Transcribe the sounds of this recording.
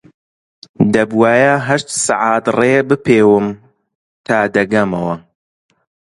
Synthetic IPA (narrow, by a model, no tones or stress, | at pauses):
d̪ɐbwaːjaɦɐʃt̪sa̰ʕaːt̪reːbɨpeːwɨm | t̪ʰaːd̪ɐɡɐmɐwɐ